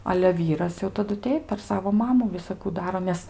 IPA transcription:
ɐlʲɛ ˈʋʲiːrɐs jɛʊ tɐˈdʊ ˈtʲɛɪp pʲɛr ˈsɑːʋoː ˈmɑːmʊ ʋʲɪsɐˈkuː ˈdɑːroː nʲɛs

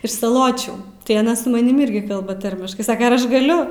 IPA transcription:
ɪʃ sɐˈlˠoːt͡ʃʲuː tɐɪ ɐˈnɐ sʊ mɐˈnʲɪm ˈɪrʲɡʲɪ ˈkɐlˠbɐ ˈtɐrʲmʲɪʃkɐɪ ˈsɑːkɐ ɐr ˈɐʃ ɡɐˈlʲʊ

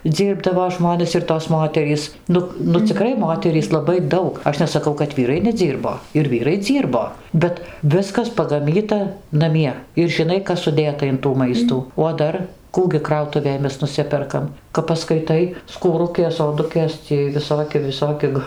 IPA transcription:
ˈd͡zʲiːrbdɐʋoː ˈʒmoːnʲɛs ɪr toːs ˈmoːtʲɛrʲiːs ˈnʊk nʊ t͡sʲɪˈkrɐɪ ˈmoːtʲɛrʲiːs lˠɐˈbɐɪ ˈdɐʊk ˈɐʃ nʲɛsɐˈkɐʊ kɐt ˈʋʲiːrɐɪ nʲɛˈd͡zʲiːrboː ɪr ˈʋʲiːrɐɪ ˈd͡zʲiːrboː ˈbʲɛt ˈʋʲɪskɐs pɐɡɐˈmʲiːtɐ nɐˈmʲiɛ ɪr ʒʲɪˈnɐɪ ˈkɐs sʊˈdʲeːtɐ ɪn tuː ˈmɐɪstuː oː ˈdɐr ˈkuː ɡʲɪ ˈkrɐʊtʊʋʲeːj ˈmʲɛs nʊˈsʲɪpʲɛrkɐm kɐp pɐskɐɪˈtɐɪ skuːˈrʊkʲeːs oːˈdʊkʲeːs t͡sʲiɛj ʋʲɪˈsoːkʲɪ ʋʲɪˈsoːkʲɪ k

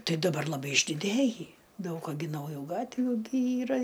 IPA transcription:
ˈtɐɪ dɐˈbɐr lˠɐˈbɐɪ ɪʒʲdʲɪˈdʲeːjiː ˈdɐʊk ɐ ɡʲɪ nɐʊˈjuː ˈɡɑːtʲʋʲuː ɡʲɪ ˈiːrɐ

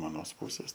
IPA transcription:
ɐˈnoːs ˈpuːsʲeːs

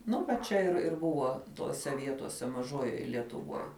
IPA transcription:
ˈnʊ ʋɐ ˈt͡ʃʲɛ ɪr ɪr ˈbʊʋoː ˈtoːsʲɛ ˈʋʲiɛtoːsʲɛ mɐˈʒoːjoːj lʲiɛtʊˈʋuɔj

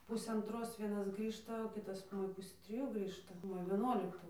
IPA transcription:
ˈpʊsʲeː ɐnˈtroːs ˈʋʲiɛnɐs ˈɡrʲiːʃtɐ oː ˈkʲɪtɐs ˈmoːjɛ ˈpʊsʲeː tʲrʲɪˈjuː ˈɡrʲiːʃtɐ ˈmoːjɛ ʋʲiɛˈnuɔlʲɪktʊ

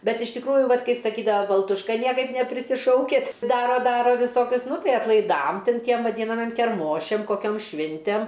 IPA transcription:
ˈbʲɛt ɪʃ tʲɪkˈruːjʊ ˈʋɐtʲ ˈkɐɪp sɐˈkʲiːdɐʋɐ bɐlˠtʊʃˈkɐ ˈnʲiɛkɐɪp nʲɛpʲrʲɪsʲɪˈʃɐʊkʲɪt ˈdɑːroː ˈdɑːroː ʋʲɪˈsoːkʲʊs ˈnʊ ˈtɐɪ ɐtlˠɐɪˈdɐm ˈtʲɪn ˈtʲiɛm ʋɐˈdʲiːnɐmʲiɛm kʲɛrˈmoːʃʲɛm koːˈkʲoːm ˈʃʲʋʲɪnʲtʲɛm

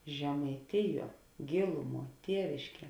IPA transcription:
ʒʲɛmɐɪˈtʲɪˌjuɔ ˈɡʲeːlˠʊˌmuɔ ˈtʲiɛʋʲɪʃʲˌkʲiɛ

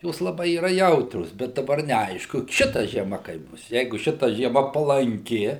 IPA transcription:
ˈjoːs lˠɐˈbɐɪ iːˈrɐ ˈjɛʊtʲrʲoːs bʲɛt dɐˈbɐr nʲɛˈɐɪʃkʊ ˈʃʲɪtɐ ʒʲiɛˈmɐ kɐɪp ˈbʊs ˈjɛɪɡʊ ˈʃʲɪtɐ ʒʲiɛˈmɐ pɐlˠɐŋʲˈkʲɪ

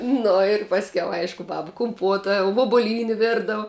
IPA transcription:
ˈnʊ ɪr pɐsʲˈkʲɛʊ ˈɐɪʃkʊ ˈbɑːbɐ kʊmˈpuɔtɐ ʋuɔbʊˈlʲiːnʲɪ ˈʋʲɪrdɐw

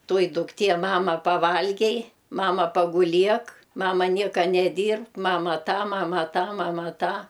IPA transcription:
ˈtoːjɪ dʊkˈtʲiɛ ˈmɑːmɐ ɐ pɐˈʋɐlʲɡʲɛɪ ˈmɑːmɐ pɐɡʊˈlʲiɛk ˈmɑːmɐ ˈnʲiɛkɐ nʲɛˈdʲiːrpk ˈmɑːmɐ ˈtɑː ˈmɑːmɐ ˈtɑː ˈmɑːmɐ ˈtɑː

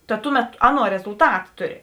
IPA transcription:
tɐ ˈtʊˌmʲɛt ˈɑːˌnuɔ rʲɛzʊlˠˈtɐt ˈtʊˌrʲɪ

